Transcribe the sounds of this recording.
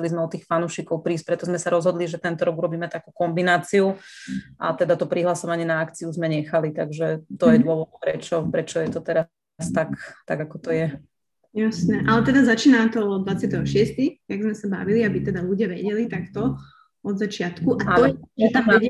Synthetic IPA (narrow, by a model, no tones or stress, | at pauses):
ɛlizmɛɔt̪iːxfanuːʃikɔʊpɾiːsc̚pɾɛt̪ɔzmɛsaɾɔzɦɔd̪liʒɛt̪ɛnt̪ɔɾɔɡuɾɔbiːmɛt̪akuːkɔmbinaːt͡siuʔa̰t̪ɛd̪at̪ɔpɾiɦlasɔʋaɲɪɛnaakt͡siuzmɛɲɛxalit̪aɡʒɛt̪ɔjɛd̪ʊɔʋɔd̪pɾɛt͡ʃɔpɾɛt͡ʃɔjɛt̪ɔt̪ɛɾa | st̪akt̪aɡakɔt̪ɔjɛ | jasnɛʔalɛt̪ɛd̪azat͡ʃiːnaːt̪ɔɔd̪d̪ʋat͡sɪat̪ɛɦɔʃɪɛst̪ixt̪aɡzmɛsaba̰ʋiliabit̪ɛd̪aluɟɪaʋɛɟɛlit̪akt̪ɔ | ɔd̪zat͡ʃɪat̪kuʔatalɔɛɛt̪a